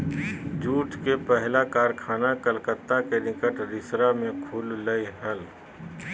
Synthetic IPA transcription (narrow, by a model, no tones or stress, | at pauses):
d͡ʒuːʈʰkepɛɦlakaːɾkʰaːnakəlkət̪ːakenɪkəʈɾɪsɾamẽkʰulːəiɦəl